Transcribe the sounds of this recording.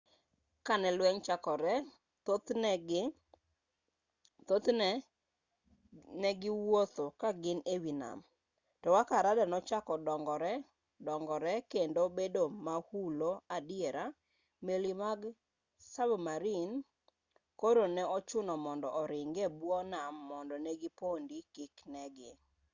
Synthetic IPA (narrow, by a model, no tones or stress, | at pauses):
kanɛlwɛŋt͡ʃakɔɾɛ | tot̪nɛɡ | t̪ot̪nɛ | nɛɡɪwot̪okaɡɪnewina̰m | tɔwakaɾadanɔt͡ʃakɔdɔŋɡɔɾɛ | dɔŋɡɔɾɛkendobedomahuloadɪeɾa | melimaɡ | sabmaɾin | koɾonɛɔt͡ʃʊnɔmɔndɔʔɔɾɪŋɡɛbwɔnamːɔndɔnɛɡɪpondikɪknɛɡɪ